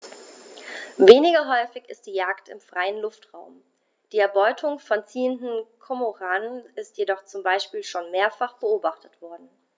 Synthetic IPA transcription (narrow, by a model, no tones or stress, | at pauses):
veːnɪɡɐɦɔʏfɪçɪ̰std̥iːjaːktɪ̰mfʁ̥aɪənlʊftʁ̥aʊm | d̥iːɛɐbɔʏtʰʊŋfɔnt͡siːəndn̩kʰɔmoʁaːnənɪstjedɔχt͡sʊmbaɪʃpiːlʃoːnmeːɐfaχb̥əoːbaχtʰətv̥ɔɐdn̩